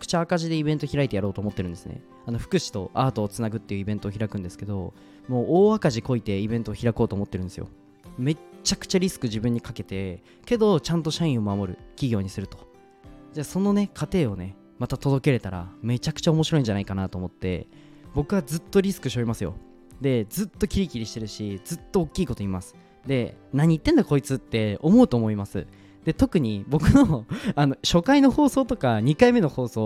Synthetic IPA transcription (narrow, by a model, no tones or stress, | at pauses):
kɯ̥t͡ɕaːkaʑid̪e̞ibẽ̞nt̪o̞çʲiɾait̪e̞jaɾo̞ːt̪oːmo̞t̪ːeɾɯ̟̃nd̪esɨnḛ | ano̞ɸɯ̟̥kɯ̟ɕi̥t̪o̞̰aːt̪o̞ːt͡sɨnaɡɯ̟t̪ːe̞jɯ̟ibe̞nt̪o̞ːçʲiɾakɯ̟nd̪e̞sɨ̥ke̞d̪o̞̰ | mo̞ːʔoːakaʑiko̞it̪e̞ibẽ̞nt̪o̞ːçiɾako̞ːt̪oːmo̞t̪ːeɾ̟nd̪esɨjo̰ | me̞t͡ɕːakɯ̟̥t͡ɕaɾʲisɨ̥kɯ̟ʑibɯ̟̃ɲ̟ːikake̞t̪e̞ | ke̞d̪o̞t͡ɕãnt̪o̞ɕaĩɰ̃o̞mamo̞ɾɯ̟̰kʲiɡʲo̞ːɲ̟isɨɾɯ̟t̪o̞̥ | d͡ʑaso̞no̞ne̞kʰat̪e̞ːo̞ne̞ | mat̪at̪o̞d̪o̞ke̞ɾe̞t̪aɾa̰me̞t͡ɕakɯ̥t͡ɕao̞mo̞ɕiɾo̞ĩɲ̟d͡ʑanaikanat̪o̞ːmo̞t̪ːe̞̰ | bo̞kɯ̟βazɨt̪ːo̞ɾʲisɨ̥kɯ̟ɕio̞ɾʲimasɨjo̞̰ | d̪e̞d͡zɨt̪ːo̞kʲiɾʲikʲiɾʲiɕi̥t̪e̞ɾɯ̟ɕid͡zɨt̪ːo̞ːkʲːiːko̞t̪o̞imasɨ̥ | d̪e̞naɲ̟iːt̪ːe̞nd̪ako̞it͡sɨt̪ːe̞omo̞ɯ̟t̪o̞ːmo̞imasɨ̰ | d̪̥e̞t̪o̞kɯ̟ɲ̟ibo̞kɯ̟no̞ano̞ɕo̞kaino̞ho̞ːso̞ːt̪o̞kaɲ̟ikaime̞no̞ho̞ːso̞ː